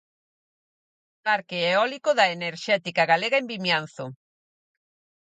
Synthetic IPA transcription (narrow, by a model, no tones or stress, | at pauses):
paɾkeeɔlikoðaeneɾʃɛt̪ikaɣaleɣaembimjan̟θo